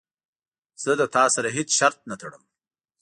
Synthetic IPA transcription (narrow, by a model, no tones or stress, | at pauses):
z̥əd̪ət̪ɑsaɾaɦet͡sʃaɾt̪̚nat̪ʰaɽəm